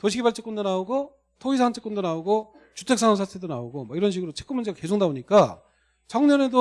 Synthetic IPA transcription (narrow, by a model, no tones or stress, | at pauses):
toɕʰiɡibaɭt͡ɕ͈ek͈undonaoɡo | tʰoisʰaant͡ɕ͈ʰe̥k͈undonaoɡo | t͡ɕutʰe̞k̚s͈aŋamsʰatʰedonaoɡomaiɾʌnɕ̬ʰiɡɯɾot͡ɕʰe̥k͈umund͡ʑe̞ɡake̞sʰoŋnaoɲik͈a | t͡ɕʌŋɲʌnedo